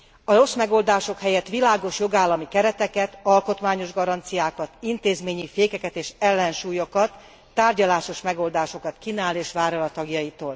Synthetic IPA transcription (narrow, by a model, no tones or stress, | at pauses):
ɒro̞smɛɡo̞ld̪aːʃo̞khɛjɛt̪ʋilaːɡo̞ʃjo̞ɡaːlːɒmikɛɾɛt̪ɛkɛt̪ɒlko̞t̪maːɲo̞ʒɡɒɾɒnt̪sijaːkɒt̪int̪eːzmeːɲifeːkɛkɛt̪eːʃɛlːɛnʃuːjokɒt̪ː | aːrɟɒlaːʃo̞ʃmɛɡo̞ld̪aːʃo̞kɒt̪kinaːleːʃʋaːɾolɒt̪ɒɡjɒjit̪oːl